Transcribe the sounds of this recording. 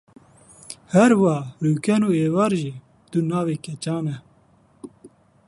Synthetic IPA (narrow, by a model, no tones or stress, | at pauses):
hɛɾwaːɾuːkɛnoːeːwaːɾʒiː | t̪unaːweːkɛt͡ʃaːnɛ